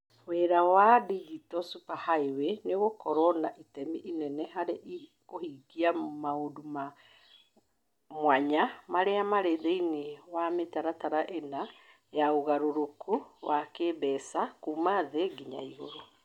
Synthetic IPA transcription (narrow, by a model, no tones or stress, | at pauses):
weɾawadid͡ʒitɔsupahaeweneɣokɔɾɔnaʔitɛmiʔinɛnɛhaɾeʔi | kohiɡiamaoduma | mwaɲamaɾeamaɾeðeiniwametaɾataɾaʔena | jauɣaɾoɾokʰuwakeːbɛsakumaðeɡiɲa̰iɦo̰ɾo